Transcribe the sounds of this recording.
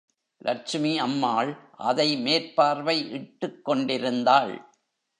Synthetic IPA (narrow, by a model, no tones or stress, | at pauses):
lʔɐ̰t͡ʃmiɐmːaːɭʔɐ̰ðɐɪmeːɾpaːɾʋɐɪʔɪʈːɯkːɔɳɖɪɾɯnd̪aːɭ